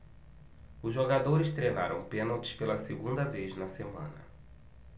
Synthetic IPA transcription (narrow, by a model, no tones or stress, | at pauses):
ʊzʒoɡad̪oɾɪst̪ɾejna̰ɾɐ̃w̃pẽnawt͡ʃ̪ɪ̥spelɐseɡũnd̪ɐveznɐsemɐ̰̃nɐ̰